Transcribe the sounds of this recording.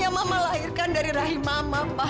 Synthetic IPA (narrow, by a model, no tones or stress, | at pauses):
amamalaɦirkandaɾiɾaɦimamaba